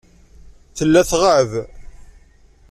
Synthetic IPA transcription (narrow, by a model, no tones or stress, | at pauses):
θəlːæθʁəʕəð